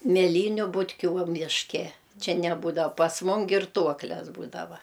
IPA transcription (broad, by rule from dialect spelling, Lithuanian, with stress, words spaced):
mʲeːˈlʲiːnʲʊ bʊtʲˈkʲuː ʋɐ mʲɪʃʲˈkʲɛ ˈt͡ʃʲɛ nʲɛˈbuːdɐw pɐs ˈmʊm ɡʲɪrˈtuɔklʲɛs ˈbuːdɐʋɐ